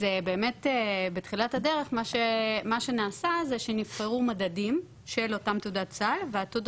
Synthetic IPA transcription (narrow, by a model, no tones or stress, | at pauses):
zebe̞ːme̞tebetχilathade̞ʁe̞χmaʃemaʃe̞naːsazeʃenifχeʁumadadim | ʃelo̞tamt̪udatt͡salveat̪ud